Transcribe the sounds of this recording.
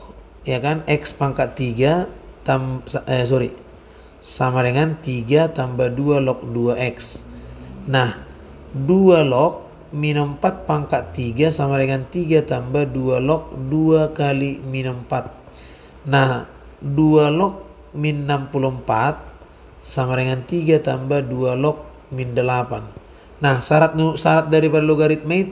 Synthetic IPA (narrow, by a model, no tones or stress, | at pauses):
jakanɛkspaŋkaʔt̪iɡat̪as̬ɔɾi | samadɛŋant̪iɡat̪ambadualɔk̚duaʔɛks | nah | dualɔk̚ | minəmpat̪̚paŋkaʔt̪iɡasamadɛŋant̪iɡat̪ambadualɔk̚duakaliminəmpat̪̚ | nah | dualɔk̚ | minːampulumpat̪̚ | samaɾɛŋant̪iɡat̪ambadualɔk̚ | mindəlapanː | ahsaɾat̪̚nusaɾat̪̚daɾipadalɔɡaɾit̪̚mait̪